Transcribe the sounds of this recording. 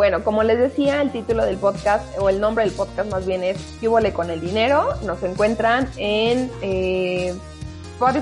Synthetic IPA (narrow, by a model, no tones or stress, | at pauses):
bwe̞no̞ko̞mo̞le̞zðe̞siaelt̪it̪ulo̞ðe̞lpo̞ðkast̪o̞e̞lnõmbɾe̞ðelpo̞ðkast̪mazβje̞ne̞skjuβole̞ko̞ne̞ld̪ine̞ɾo̞no̞se̞ŋkwe̞nt̪ɾanene | poɾ